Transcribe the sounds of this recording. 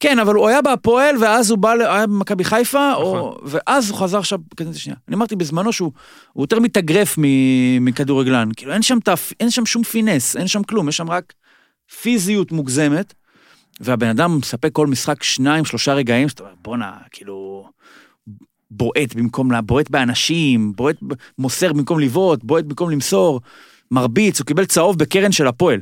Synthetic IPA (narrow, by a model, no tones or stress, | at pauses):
ke̞navaluajabapo̞elveazubaleajabemakabiχajfaoveʔazuχazaʁʃavkadut̪aʃnija̰ːniamaʁt̪ibezmano̞ʃeu | ujot̪e̞ʁmit̪aɡʁe̞fmimikaduʁeɡlankiːlue̞nʃamtafʔenʃamʃumfinesenʃamklumjeʃamʁak | fizijut̪muɡze̞me̞t̪ | veabenadamsapekːo̞lmisχakʃnaimʃlo̞ʃaʁe̞ɡaimzot̪aomeʁbo̞na̰kiːlu | bo̞ʔe̞t̪bimko̞mlabo̞e̞t̪beanaʃimbo̞e̞t̪̚mo̞seʁbimko̞mlivo̞t̪̚bo̞et̚bimko̞mlimso̞ʁ | maʁbit͡sukibelt͡sao̞vbekeʁenʃe̞lapo̞el